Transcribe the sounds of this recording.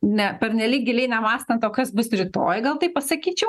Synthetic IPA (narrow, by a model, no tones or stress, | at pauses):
nʲɛpʲɛɾʲnʲɛlʲiːk̚ɡʲɪlʲɛɪnʲɛmɑːst̪ɐnt̪oːkɐsbʊsɾʲɪt̪o̰ːjɡɐlˠt̪ɐɪppɐsɐkʲiːt͡ʃʲɛʊ